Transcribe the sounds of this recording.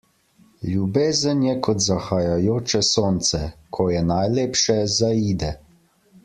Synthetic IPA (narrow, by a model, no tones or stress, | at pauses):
lʲjubeːzənjɛkʰɔt̪zaxajajoːt͡ʃɛsoːnt̪sɛkʰɔjɛnajleːpʃɛzaiːd̪ɛ